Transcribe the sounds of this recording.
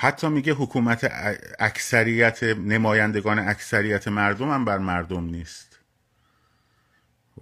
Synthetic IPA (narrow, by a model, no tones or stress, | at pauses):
hæt̪ʰːɒːmiɟeɦokʰuːmæt̪ʰḛæcsæɾijæt̪ʰenemɒːjænd̪e̞ɡɒːneæcʰsæɾijæt̪ʰemæɾd̪omæmbæɾmæɾd̪omniːst̪